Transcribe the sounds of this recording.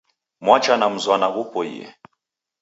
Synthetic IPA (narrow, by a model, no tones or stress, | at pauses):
mwat͡ʃanam̩zwanaɣupɔḭjɛ̰